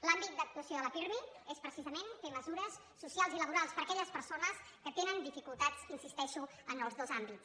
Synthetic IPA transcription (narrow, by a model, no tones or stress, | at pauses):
lambit̪̚d̪ək̚t̪uəsioðələpiɾmiespɾəsizəmenfeməzuɾəsːusjalˠziləβuɾalˠspəɾəkɛʎəspəɾsonəskət̪enənd̪ifikulˠt̪at͡sinsist̪ɛʃu | ənəlˠzðozambitt͡s